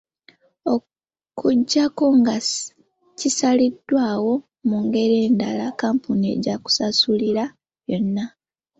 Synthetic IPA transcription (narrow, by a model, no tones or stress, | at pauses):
o̞ | kʰuɟːako̞ŋɡa | cisalidːwaːwo̞ | muŋɡe̞ɾe̞ːndalakaːmpunie̞̰ɟaku̥sasuliɾa | jo̞nːa